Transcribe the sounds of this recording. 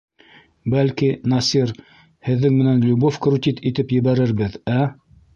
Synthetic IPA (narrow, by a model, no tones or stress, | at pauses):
bælkinɑsir | hɘ̆ðːɘŋmɘ̆nænlʲubofkrut̪ʲit̪it̪ɘpjɘ̆βæɾɘɾbɘðæ